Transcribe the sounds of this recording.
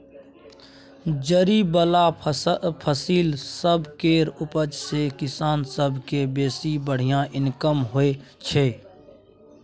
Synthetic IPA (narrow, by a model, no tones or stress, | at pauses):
d͡ʒəɾibəla | pʰəsiːlsəbʱkeːɾʊpəd͡ʒsekɪsaːnsəbʱkebeːsibəɽ̤ijãʔɪnkəmɦoet͡ʃʰeː